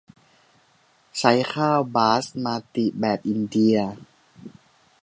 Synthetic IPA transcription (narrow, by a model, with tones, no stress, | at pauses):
t͡ɕʰa˦˥jkʰaː˥˩wbaː˦˥smaː˧t̪i˨˩ʔbɛː˨˩p̚ʔi˧ndi˧ɐ